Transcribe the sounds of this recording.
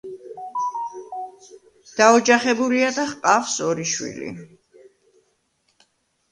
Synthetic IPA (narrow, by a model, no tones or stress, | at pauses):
d̪̥aɔd͡ʒaχɛbuliad̪aχqʼafsɔɾiʃwḭlḭ